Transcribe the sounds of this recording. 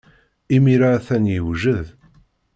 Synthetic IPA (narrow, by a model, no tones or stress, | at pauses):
imiɾaθænjəwʒəð